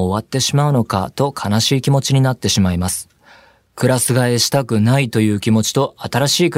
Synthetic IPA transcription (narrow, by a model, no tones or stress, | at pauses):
βat̪ːe̞ɕimaɯ̟no̞ka̰t̪o̞kʰanaɕiːkʲimo̞t͡ɕiɲ̟inat̪ːe̞ɕimaimasɨ̥ | kɯ̟ɾasɨɡae̞ɕi̥t̪akɯ̟nait̪o̞jɯ̟ːkʲimo̞t͡ɕi̥t̪o̞at̪aɾaɕiːkɯ̟